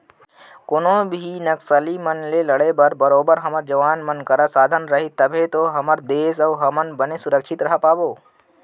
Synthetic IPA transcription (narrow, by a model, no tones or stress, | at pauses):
kʊnõbʱinɐksəlimənlelɐɽebəɾbɐɾoːbəɾɦɐməɾd͡ʒɐʋaːnmənkɐɾasaːd̪ʱənɾɐɦit̪ɐbʱet̪oɦɐməɾd̪eːs̬əːɦɐmənbənesʊɾəkʃʰɪt̪ɾɐɦəpaːboː